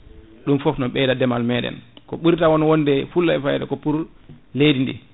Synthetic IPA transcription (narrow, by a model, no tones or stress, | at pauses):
ɗumfɔfnɔɓɛdadɛmalmɛɗɛ̰nkɔɓuɾtawɔnɔwɔnːdɛfulːaɛfajɛdɛkɔpuɾ | lejdindɛ̰